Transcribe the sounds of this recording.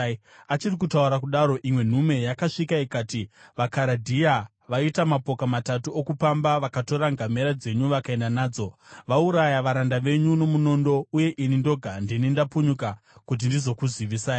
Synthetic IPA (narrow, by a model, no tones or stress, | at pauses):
at͡ʃirikutauɾak̬uɗaɾo̞ʔimwe̞n̤ume̞jakaʂikaikaːtiʋakaɾadʱija | ʋaitamapo̞kamatatuokupambaʋakato̞ɾaŋɡame̞ɾad͡ze̞ɲuʋakae̞ndanaːd͡zo̞ʋauɾajaʋaɾandaʋe̞ɲuno̞muno̞ndo̞uje̞ʔinindo̞ɡʱandinindapuɲuka | kut̬indizo̞kuziʋisaːi